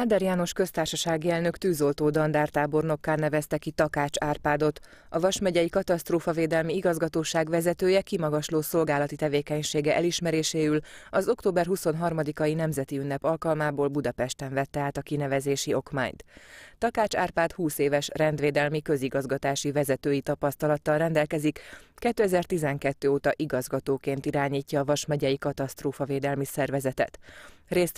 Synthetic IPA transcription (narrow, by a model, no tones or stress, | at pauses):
aːd̪ɛɾjaːno̞ʃkø̞st̪aːrʃɒʃaːɡiɛlnø̞kt̪yːzo̞lt̪oːd̪ɒnd̪aːrt̪aːbo̞rno̞kːaːlnɛvɛst̪ɛkit̪ɒkaːt͡ʃaːrpaːd̪o̞t̪ | ɒvɒʃmɛɟɛjikɒt̪ɒst̪roːfɒveːd̪ɛlmiiɡɒzɡɒt̪oːʃaːɡʋɛzɛt̪øːjɛkimɒɡɒʃloːso̞lɡaːlɒt̪it̪ɛveːkɛɲʃeːɡɛʔɛliʃmɛɾeːʃeːylɒzo̞kt̪oːbɛrɦuso̞nɦɒrmɒd̪ikɒjinɛmzɛt̪iynːɛpɒlkɒlmaːboːlbud̪ɒpɛʃt̪ɛɱvɛt̪ːɛaːt̪ɒkinɛvɛzeːʃio̞kma̰ːɲt̪t̪ɒkaːt͡ʃaːrpaːt̪huːseːvɛʃrɛnd̪ʋeːd̪ɛlmikø̞ziɡɒzɡɒt̪aːʃivɛzɛt̪øːjit̪ɒpɒst̪ɒlɒt̪ːɒlrɛnd̪ɛlkɛzikːɛt̪ːøɛzɛrt̪izɛŋkɛt̪ːøːoːt̪ɒʔiɡɒzɡɒt̪oːkeːnt̪iɾaːɲiːcːɒːvɒʃmɛɟɛjikɒt̪ɒst̪roːfɒveːd̪ɛlmisɛrvɛzɛt̪ɛ̰t̪reːst̪